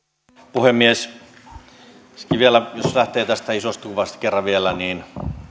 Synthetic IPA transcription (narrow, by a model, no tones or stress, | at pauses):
puhemːies | skiʋielæjoslæht̪eːt̪æst̪æisost̪kuʋɑst̪kerːɑʋielæniːn